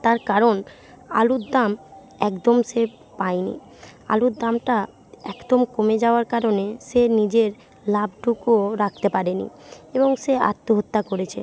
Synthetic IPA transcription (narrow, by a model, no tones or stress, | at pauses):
t̪aɾkaɾon | a̰lud̪d̪am | ɛkd̪omʃe | paenḭ | a̰lud̪amʈa | ɛkd̪omkomed͡ʑaoaɾkaɾoneʃenid͡ʑeɾ | lab̚ʈukoɾak̚ʰt̪epaɾenḭeboŋʃea̰t̪ːoɦot̪ːakoɾet͡ɕʰḛ